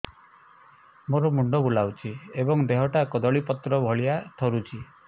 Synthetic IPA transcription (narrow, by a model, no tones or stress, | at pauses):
moɾɔmuɳɖɔbulawt͡ʃʰiebɔŋd̪eɦɔʈakɔd̪ɔɭipɔt̪ɾɔbʱɔɭijat̪ʰɔɾut͡ʃʰi